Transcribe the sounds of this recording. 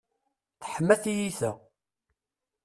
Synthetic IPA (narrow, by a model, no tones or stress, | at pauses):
θħəmːæθijiθæ